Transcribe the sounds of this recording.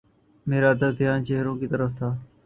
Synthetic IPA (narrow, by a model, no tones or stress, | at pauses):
meːɾaːd̪əd̪ʱɪjaːnt͡ʃeɦɾõːkiːt̪əɾəft̪ʰaː